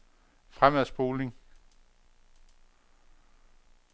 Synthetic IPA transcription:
fʁamæðˠsb̥o̝ːle̝ŋ

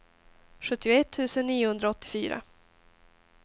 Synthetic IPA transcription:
ɧɵt̪ːɪʊɛt̪ʰːʉ̟ːsənːiːʊhɵnd̪ɾaɔt̪ːɪ̥fyːɾa̰

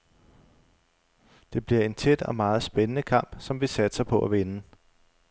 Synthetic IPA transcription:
d̥e̝b̥liɐe̝nt͡sʰed̥ɒ̽mɑ̈ːð̞̩ˠsb̥enənəkʰɑ̈m̰b̥sɒ̽mʋisæd̥sɐpʰɒ̽ʔæʋe̝nə

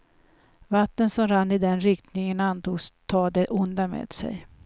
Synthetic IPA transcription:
vat̪ːənsɔmɾanːɪd̪ɛnɾɪkt̪nɪŋənant̪uːɡst̪ʰɑːd̪ɛʔʊnd̪amḛːd̪̥sɛ̰j

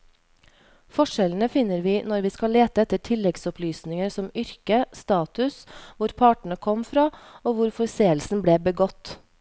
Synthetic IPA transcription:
fɔʂɛlnəfɪnːəɾʋiːnɔɾʋiːskɑleːt̪əɛt̪ːəʈʰɪlːɛɡsɔplyːsnɪŋəɾsɔmʏɾkəst̪ɑːt̪ʉsʋʊɾpʰɑːʈɳ̩əkʰɔmfɾɑːoːʋʊɾfɔɾseːəlsn̩bleːbəɡɔt̪ː

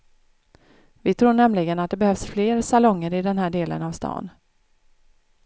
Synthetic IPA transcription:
vɪt̪ʰɾuːɳɛmlɪɡənat̪̚d̪ɛbɛhœvsfleːɾsalɔŋːəɾɪd̪ɛnhæːɖeːlə̰navst̪ʰɑ̰ːn

